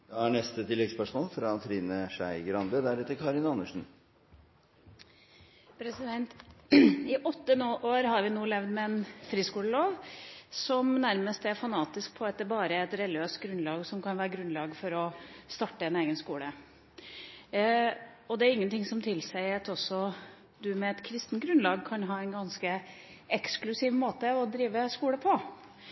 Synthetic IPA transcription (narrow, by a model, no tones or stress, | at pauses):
d̪ɛæɳɛst̪ət̪ʰɪlːɛɡspœʂmɔːlfɾɑt̪ʰɾiːnəʂæɪɡɾɑnd̪əd̪æɾɛt̪əɾkʰɑɾɪnɑnːəʂn̩ | pʰɾɛsɪd̪ɛnt̪ | ɪʔɔt̪ːənoːʔoːɾɦɑɾʋɪnuːlɛʋd̪mɛɛnfɾiːskuːləloːʋsɔmnæɾməst̪æɾfɑnɑːt̪ɪsk̚pʰɔɛt̪d̪əɾbɑːɾəɛt̪ɾɛlɪøːst̪̚ɡɾʉnlɑːɡsɔmkʰɑnʋæːɾəɡɾʉnlɑːɡfɔɾɔst̪ɑʈːəɛneːɡənskuːlə | ɔd̪ɛæɾɪŋːənt̪ʰɪŋsɔmt̪ʰɪlsæɪɑt̪ɔsːɔ | d̪ʉmɛɛt̪kʰɾɪst̪nt̪ɡɾʉnlɑːɡkʰɑnɦɑːɛɪnɡɑnskə | ɛksklʉsiːʋmoːt̪əɔd̪ɾiːʋəskuːləpʰɔ